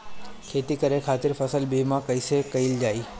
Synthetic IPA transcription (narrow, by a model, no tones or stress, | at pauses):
kʰeːt̪ikəɾekʰaːt̪ɪɾfəsəlbimãkəjsekəild͡ʒaːi